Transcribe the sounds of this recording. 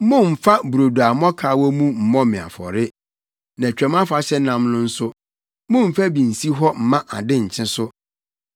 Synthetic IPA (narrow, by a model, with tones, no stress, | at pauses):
mʊ̃˦m̩˨fa˦bu˨ɾo˨du˨a˨mɔ̃˦kʰaː˨˦wɔ˦mũ˦m̩˨mɔ̃˦mɪ̃˨a̰˨fɔ̰˨ɾɪ˦ | nã˨t͡ɕᶣɛ˨m˦ã˦fa˨ɕɛ˦nã˦mnʊ̃˦n̩˦sʊ˦ | mʊ̃˦m̩˨fæ˦bĩ˨n̩˨si˦ɦɔ˦m̩˨mã˦ʔa˨dɪ̃˦ɲ̩˨t͡ɕʰɪ̃˦sʊ˦